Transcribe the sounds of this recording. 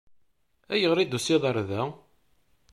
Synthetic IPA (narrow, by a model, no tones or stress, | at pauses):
æjəʁɾid̪usiðˤɑɾˤðæ